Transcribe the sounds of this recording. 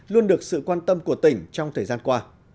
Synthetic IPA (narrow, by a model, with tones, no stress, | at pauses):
lu˧ənɗɨ˨˩ək̚sɨ̰˧˨kwaː˧nt̪ə˧mku˧˩ət̪ï˧˩ŋ̟t͡ɕɔ˧wŋ͡mt̪ʰəː˨˩jzaː˧nkwaː˧